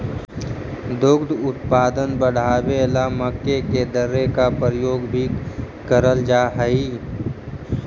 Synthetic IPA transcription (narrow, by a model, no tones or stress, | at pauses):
d̪ʊɡd̪ʊt̪paːd̪ənbəɽ̤aːbelaməkːeked̪əɾekapəɾəjoːɡbʱi | kəɾəld͡ʒaːɦəiː